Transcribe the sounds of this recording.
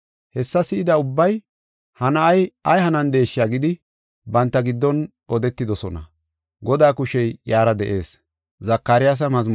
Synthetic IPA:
hɛsːɐsɪɪd̪ɐʊbːɐj | hɐnɐɐjɐjhɐnɐnd̪e̞ːʃːɪjaɡɪd̪ɪ | bɐnt̪ːɐɡɪd̪ːɔn | ɔd̪ɛt̪ːɪd̪ɔsɔnɐ̰ | ɡɔd̪aːkʊʃɛjjaːɾɐd̪ɛʔe̞̰ːs | zɐkːaɾɪjas̬ɐmɐzm

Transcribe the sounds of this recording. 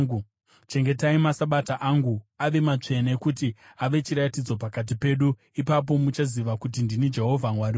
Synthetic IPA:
t͡ʃe̞ŋɡe̞taimasaɓataʔaŋɡuaʋe̞mat͡ʂe̞naekutiaʋe̞t͡ʃiɾatid͡zo̞pakat̬ipe̞ːɗu | ipap̬o̞mut͡ʃaziʋakut̬indinid͡ʒe̞ɦo̞vʱamwari

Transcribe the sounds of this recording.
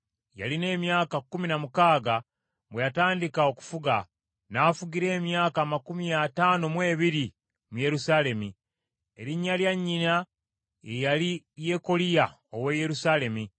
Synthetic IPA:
ja̰line̞ːmjaːkakːuminamukaːɡa | βwe̞jataːndikao̞ku̥fuɡa | naːfuɡiɾe̞ːmjaːkaːmakumiataːnomwe̞ːβiɾi | muje̞ɾusaːle̞mi | e̞ɾiɲːaljaɲːina | ejali | je̞ko̞lija | oweje̞ɾusaːle̞mi

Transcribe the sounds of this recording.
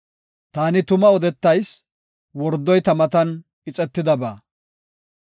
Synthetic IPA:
t̪aːnɪt̪ʊmɐɔd̪ɛt̪ːɐjs | wɔɾd̪ːɔjt̪ɐmɐt̪ɐn | ɪt͡sʼɛt̪ːɪd̪ɐba̰ː

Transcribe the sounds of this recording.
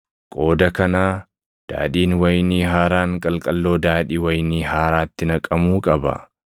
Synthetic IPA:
kʼo̞ːd̪ɐkɐnaː | d̪̥a̰ːᶑiːnwɐjniːɦaːɾaːŋkʼɐlkʼɐlːo̞ːd̪aːᶑiːwɐjniːɦaːɾaːt̪ːɪnɐkʼːɐmuːkʼɐbɐ̰

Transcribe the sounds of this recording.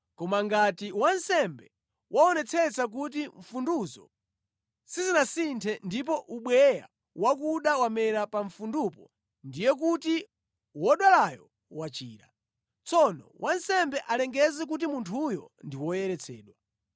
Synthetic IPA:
kɔmaŋɡatiwansɛmbɛ | wʔaɔnɛt͡sʰɛt͡sak̬ut̬iɱ̩funduzɔ̰ | sizinasintʰɛndip̬ɔʔuɓwɛja̰ | wakuɗawamɛɾapaɱfundupɔ | ndijɛk̬uti | wɔɗwalajɔ | wat͡ʃiːɾa̰ | t͡sɔnɔ̰wʔansɛmbɛʔalɛŋɡɛzɛk̬ut̬imuntʰujɔndiwɔjɛɾɛt͡sʰɛ̰ːɗwa

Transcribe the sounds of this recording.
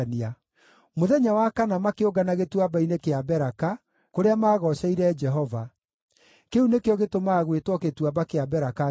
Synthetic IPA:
nia | moðɛɲawakanamakeoɡanaɣetwabainekeabɛɾaka | koɾeamaːɣɔɕɛiɾɛd͡ʒɛɦɔva | keunekeɔɣetomaːɣwetwɔketwabakeabɛɾaka

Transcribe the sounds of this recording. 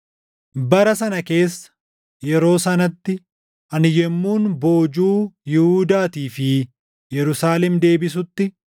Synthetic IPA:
bɐɾɐsɐnɐke̞ːsːɐ̥ | jɛɾo̞ːsɐnɐt̪ːɪ | ʔɐnɪjɛmːuːnbo̞ːd͡ʒuːjɪhuːd̪aːt̪iːfɪ | jɛɾʊsaːlɛmd̪e̞ːbɪsʊt̪ːɪ

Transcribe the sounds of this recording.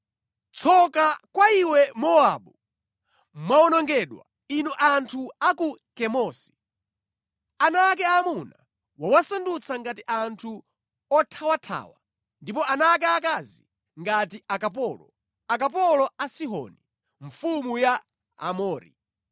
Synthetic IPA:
t͡sʰɔkakwaiwɛmɔaɓu | maɔnɔŋɡɛɗwa̰ | inuʔantʰuakukɛmɔsi̥ | anaːk̬ɛamuna | wawasandut͡sʰaŋɡatiʔantʰu | ɔtʰawatʰa̰ːwa̰ | ndipɔanaːk̬ɛakazi | ŋɡatiʔakap̬ɔːlɔ̰ | akap̬ɔlɔasiɦɔ̰ni | ɱfumuja | a̰mɔːɾḭ

